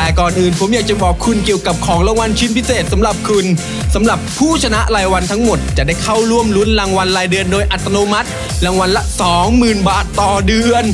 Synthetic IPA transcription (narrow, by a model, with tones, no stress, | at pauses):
ɛː˨˩kɔː˨˩nʔɯː˨˩npʰo˩˦mjaː˨˩k̚t͡ɕa˨˩bɔː˨˩kʰːu˧nki˨˩əwka˨˩p̚kʰɔː˩˦ŋlaː˧ŋwa˧nt͡ɕʰi˦˥npʰi˦˥seː˨˩t̪̚sa˩˦mɾa˨˩p̚kʰu˧n | sa˩˦mɾa˨˩pʰːuː˥˩t͡ɕʰa˧na˦˥ʔɾaː˧jwa˧nt̪ʰa˦˥ŋmo˨˩t̪̚t͡ɕa˨˩daː˥˩jkʰa˥˩wɾu˥˩əmlu˦˥nlaː˧ŋwa˧nlaː˧jdɯ˧əndoː˧jʔa˨˩t̪ːa˧noː˧ma˦˥t̪̚ | ɾaː˧ŋwa˧nla˧sɔː˨˩˦ŋmɯː˨˩nbaː˨˩t̪ːɔː˨˩dɯ˧ən